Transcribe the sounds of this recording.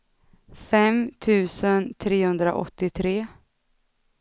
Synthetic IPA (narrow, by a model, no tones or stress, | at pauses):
fɛmt̪ʰʉ̟ːsənt̪ʰɾeːhɵnd̪ɾa̰ʔɔ̰t̪ːɪt̪ʰɾeː